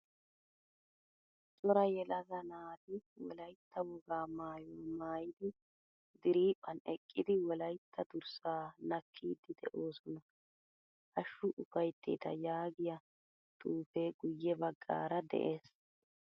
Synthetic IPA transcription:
sʼɔɾɐjɛlɐzɐnaːd̪ɪwɔ̰lɐjt̪ʰːɐwɔɡaːmaːjɔːmaːjɪd̪ɪ | d̪ɪɾiːpʼːɐnɛkʼːɪd̪ɪwɔlɐjt̪ʰːɐd̪ʊɾsaːnɐkʰːiːd̪ɪd̪ɛ̰ʔo̞ːsɔnɐ | ʔɐʃːʊʔʊfɐjt̪ʰːḭːt̪ɐjaːɡɪjɐ | t̪ʼuːfe̞ːɡʊjːɛbɐɡːa̰ːɾɐd̪ɛ̰ʔe̞ːs

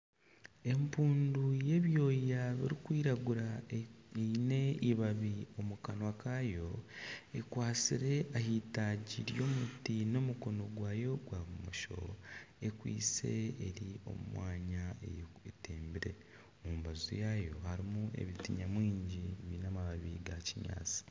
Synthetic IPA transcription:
e̞mpuːnduje̞βjo̞ːjaβiɾikwiːɾaɡuɾa | ine̞iβaβio̞mukanwakaːjo̞ekwaːt͡siɾe̞ʔahitaɟiɾjo̞ːmutino̞muko̞no̞ɡwaːjo̞ɡwaβumoʃo̞̰e̞kwḭːse̞eɾio̞̰mṵmwaːɲae | eteːmbiɾe̞̰ | muːmβazṵjajo̞̰haɾimue̞̰βitiɲamwiːɲɟiβinamaβaβiɡaciɲa̰ːt͡si̥

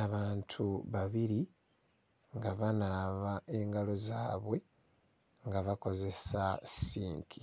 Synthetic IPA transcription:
aβaːntʰuβaβiɾi | ŋɡaβanaːβae̞ŋɡalo̞zaːβwe̞ | ŋɡaβako̞ze̞sasiːŋkʰi

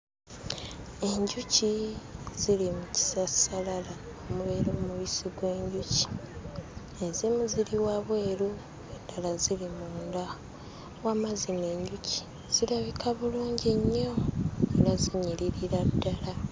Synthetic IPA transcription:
e̞ɲɟuciz̥ilimuci̥sasalala | omuβeɾumuβisiɡwe̞ːɲɟuci̥ | ezimuziɾiwaβwe̞ːɾu | edalazilimuːnda | wamazine̞ːɲɟuci̥ | z̥ilaβikaβuluːɲɟeɲːoeɾaziɲiɾiɾiɾadːala

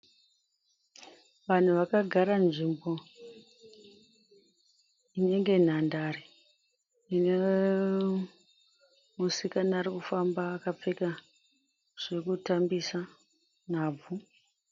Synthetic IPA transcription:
ʋan̤uʋakaɡʱaɾanʐimbo̞ | ine̞ŋɡe̞n̤andaɾi | ine | musikanaːrikufambaːkap͡feka | ʐ̥e̞kutambisa | n̤aːb͡vu

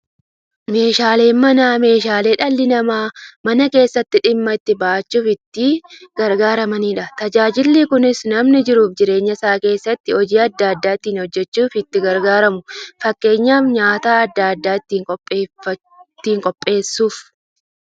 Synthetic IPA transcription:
me̞ːʃaːle̞ːmɐnaːme̞ːʃaːle̞ːᶑɐlːɪnɐmaːmɐnɐke̞ːsːɐt̪ːɪᶑɪmːɐɪt̪ːɪbaːt͡ʃːuːfɪt̪ːɪɡ̥ɐɾɡaːɾɐmɐniːᶑɐt̪ɐd͡ʒaːd͡ʒɪlːikʊnɪsnɐmnɪd͡ʒɪɾuːfd͡ʒɪɾe̞ːɲːɐsaːke̞ːsːɐt̪ːɪɔd͡ʒiːɐd̪ːaɐd̪ːaːɪt̪ːiːnhɔd͡ʒːɛt͡ʃːuːfɪt̪ːɪɡɐɾɡaːɾɐmʊfɐkːe̞ːɲːaːfɲaːt̪aːɐd̪ːaɐd̪ːaːɪt̪ːiːŋkʼɔpʼːeːɐ | t̪ːiːŋkʼɔpʼːe̞ːsːuːf

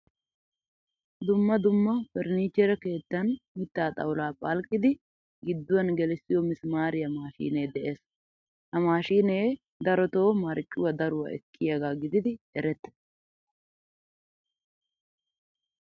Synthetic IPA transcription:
d̪ʊmːɐd̪ʊmːɐfɛɾniːt͡ʃːɛɾɛke̞ːt̪ːɐnmɪt̪ːaːt̪ʼɐ̰wlaːpʼɐlkʼːɪd̪ɪ | ɡɪd̪ːʊwɐnɡɛlɛsːɪjɔmɪsmaːɾɪjɐmaːʃḭːne̞ːd̪ɛʔe̞ːs | ʔɐmaːʃiːneː | d̪ɐɾɔt̪o̞ːmɐɾt͡ʃʼːʊwɐd̪ɐɾʊwɐ̰ɛkʼːɪjɐɡaːɡɪd̪ɪd̪ɪɛɾɛt̪ːɛ̥

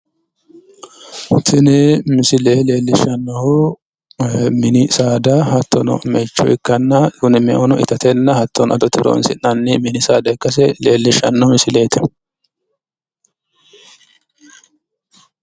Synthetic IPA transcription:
t̪ʰɪnɛmɪsɪleːle̞ːlːɪʃɐnːɔhʊ | mɪnɪsaːd̪ɐɦɐt̪ːɔnɔ̰mɛt͡ʃːɔ̰ʔɪkːɐnːɐtʊnɪmɛʔɔnɔʔɪ̰t̪ɐt̪ɛnːɐhɐt̪ʰːɔnʔɐd̪ɔt̪ɪɾo̰ːnsɪnɐnːɪmɪnɪsaːd̪ɐkʼːɐs̬ɛle̞ːlːɪʃɐnːɔhmɪsɪleːt̪ɛ

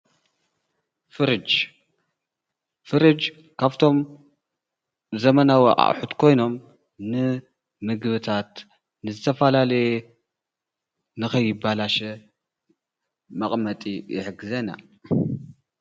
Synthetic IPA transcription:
fɨɾɨd͡ʒ | fɨɾɨd͡ʒ | kʰaβt̪ʰo̞m | zɐmɐnawɐʔʼa̰ʔħut̪kʰo̞jno̞m | nɨ | mɨɡɨβɨt̪ʰat̪ | nɨzɨt̪ʰɐfalalɐj | nɨxɐjːɪbalaʃɛ | mɐχʼmɐt̪ʼijɪ̰ħɡɨzɐna̰

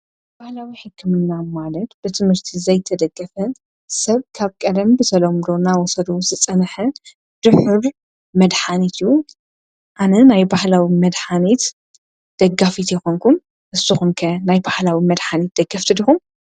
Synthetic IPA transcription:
b̥ahlawiħɨkʰːɨmɨnːamalɐt̪b̥ɨt̪ʰɨmhɨɾt̪ʰizɐjt̪ʰɐd̪ɐɡːɐfɐn | sɐβkʰaβkʼɐd̪ɐmbɨsʰɐlɐmd̪o̞nawɔsɐd̪ozɨt͡sʼɐnħɐ | d̪̥ɨħɨɾ | mɐd̪ħanit̪ɨjːu | ʔanɐnajbahlawimɐd̪ħanit̪ | d̪̥ɐɡːafit̪jɛxoŋkʰun | ʔɨsɨxunkʰɐnajbahlawimɐd̪ħanit̪̚d̪̥ɐɡːɐft̪ʰɨd̪ixum

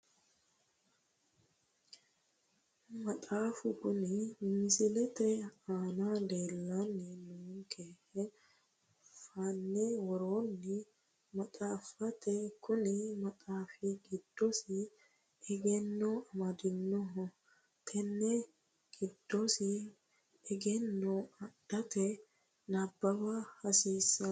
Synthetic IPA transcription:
mɐt̪ʼaːfʊkʊnɪmɪsɪlɛt̪ɛaːnaleːlːɐnːɪnʊŋŋkeːhɛ | fanːɛwɔɾoːnːɪ | mɐt̪ʼaːfɐt̪ʰɛkʰʊnɪmɐt̪ʼaːfiɡɪd̪̥ːɔsɪ | ɛɡɛnːɔɐmɐd̪ɪnːɔɦɔ | t̪ʰʼɛnːɛ | ɡ̥ɪd̪̥ːɔsɪ | ɛɡɛnːɔɐdɐt̪ɛ | nɐbːɐbɐhɐsiːsːɐ

